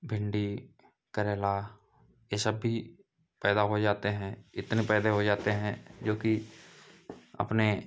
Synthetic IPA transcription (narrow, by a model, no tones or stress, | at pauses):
bʱɪ̃ɳɖi | kəɾeːla | jesəbːʱi | pɛːd̪aɦod͡ʒaːt̪eɦɛ̃ɪt̪nepɛːd̪eɦod͡ʒaːt̪eɦɛ̃d͡ʒoːki | ɐ̰pne